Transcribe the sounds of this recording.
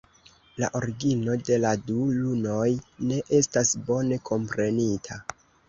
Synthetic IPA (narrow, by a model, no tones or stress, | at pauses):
la̰ʔo̞ɾiɡino̞de̞laduluno̞jne̞ʔe̞stasbo̞ne̞kʰo̞mpɾe̞nitʰa